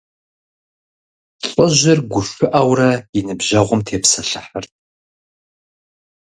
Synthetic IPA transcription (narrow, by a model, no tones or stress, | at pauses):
ɬʼɔʑɪrɡʷʊʃʷʊʔɐwrɐɪnɨbʑɐʁʷʊmtʰeːpsɐɬɐħɐrt̚ʰʼ